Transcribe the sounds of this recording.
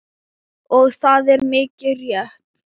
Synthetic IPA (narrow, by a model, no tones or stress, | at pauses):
ɔɣθaðɛɾmɪːcɪrjɛht̪